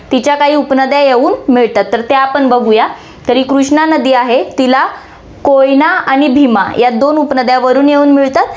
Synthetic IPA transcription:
t̪it͡ɕjakaɦiːupnəd̪jajeuːnmiɭt̪at̪ːəɾt̪eapəɳbəɡʱuja | t̪əɾiːkɾuʂɳanəd̪iːaɦet̪ila | kojnaaɽ̃ibʱimajad̪onupnəd̪jaʋəɾuːnjeuːnmiɭt̪at̪̚

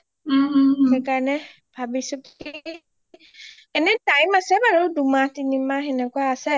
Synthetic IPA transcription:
ɛkanɛ̃ | babisoki | ɛnɛ̃taĩmasɛbaɾodumãtinĩmãɦɛ̃nɛ̃kʷasɛ

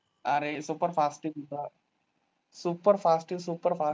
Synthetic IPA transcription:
aɾesuːpəɾfaːsʈiɡit̪a | suːpːəɾfaːsʈisuːpəɾfaː

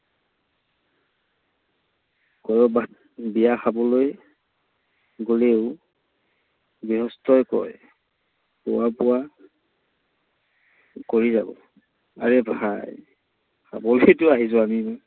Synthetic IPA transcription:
kɔjɔba | bijaxabɔloj | ɡoleʊ | biɦɔstʰɔjkɔ̰ɹ | pʊ̰wapʊwa | koɹiza̰bɔ̰ | a̰ɹɛbʱaj | kʰa̰bɔlojtʊaɦizʊamimɔ

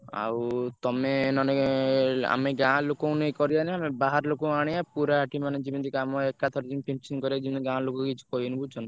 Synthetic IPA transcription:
a̰wt̪ɔmenɔne | a̰meɡãlokõũnejkɔɾianiamebaɦaɾlokõaɽ̃ijapuɾaːʈimaned͡ʒibɔnt̪ikamɔekat̪ʰɔɾd͡ʒimpent͡ʃɔnkɔɾijad͡ʒibɔniɡãlokokit͡ʃʰi̥kɔjɔnibut͡ʃʰɔn

